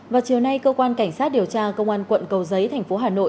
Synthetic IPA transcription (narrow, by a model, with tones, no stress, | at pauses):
vaː˨˩wt͡ɕi˨˩əwna˧jkəː˧kwaː˧nka˧˩jŋ̟saː˦˥t̚ɗi˨˩əwt͡ɕaː˧kə˧wŋ͡mʔaː˧nkwə̰˧˨nkə˨˩wzə˨˦jt̪ʰɛ˨˩ŋ̟fo˨˦ɦaː˨˩no̰˧˨